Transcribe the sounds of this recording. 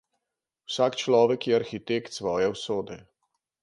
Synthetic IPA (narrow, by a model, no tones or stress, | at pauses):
wsaːkt͡ʃlɔːʋɛkjɛaɾxit̪ekt̪sʋɔːjɛwsoːd̪ɛ